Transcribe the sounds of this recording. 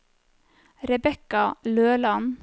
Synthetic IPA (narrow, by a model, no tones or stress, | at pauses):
ɾɛbɛkɑløːlɑn